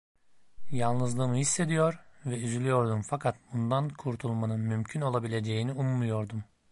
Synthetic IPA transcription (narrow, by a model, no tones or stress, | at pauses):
jalˠnɯzlˠɯːmɯhisːe̞d̪ijo̞ɾvɛyzylʲyjo̞ɾd̪umfakʰat̪̚bund̪ankʰuɾt̪ʰulˠmanɯnmymcʰyno̞lˠabilʲe̞d͡ʒe̞jiniumːujo̞ɾd̪um